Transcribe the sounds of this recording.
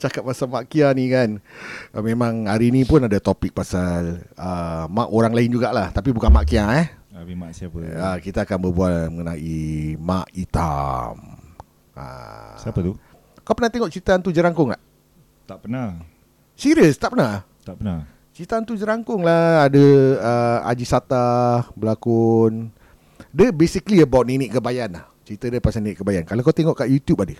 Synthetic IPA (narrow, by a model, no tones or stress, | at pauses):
t͡ʃakap̚pːasalmaʔkianikanmemãŋaɾinipʊnadat̪opɪk̚pasaləmaʔoɾaŋlaɪnd͡ʒuɡaʔlaht̪apibukanmaʔkiaɛhimaʔsiapəəkit̪aːkanbəbualməŋənaima̰ʔit̪a̰m | ə̰siapət̪u | kawpənaht̪eŋɔʔt͡ʃɾit̪ant̪ud͡ʒəɾaŋkʊŋla̰h | t̪aʔpəna | siɾiəst̪aʔpəna | t̪aʔpəna | t͡ʃit̪ant̪ud͡ʒəɾaŋkʊŋlaadəəa̰d͡ʒisat̪abəlakʊn | dəbesikliəbawt̪̚niniʔkəbajanlaht͡ʃəɾit̪adəpasaniniʔkəbajankalakawt̪eŋɔʔkaʔjut̪jup̚adə